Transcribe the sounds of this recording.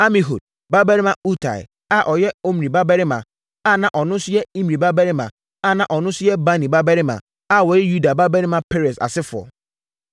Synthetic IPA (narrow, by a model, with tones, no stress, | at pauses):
a˦mĩ˨ɦṵ˨d̚ | ba˦bɛ˦ɾi˦mã˨u˦tʰa̰˨ɪ̰˨ | a˦˨ʔɔ˨jɛ˦o˦m˨ɾĩ˨ba˦bɛ˦ɾɪ˦mã̰˨ | a˦˨nã˨ʔɔ˨nʊ̃˦sʊ˦jɛ˦ĩ˦m˨ĩ˨ba˦bɛ˦ɾɪ˦mã˨ | a˦˨nã˨ʔɔ˨nʊ̃˦sʊ˦jɛ˦ba˦nĩ˨ba˦bɛ˦ɾɪ˦mã̰˨ | a˦˨wɔ˨jɛ˦ju˦da˨ba˦bɛ˦ɾɪ˦mã˨pʰe˦ɾe˨sa̰˨sɪ˦fʊ˨ɔ̰˨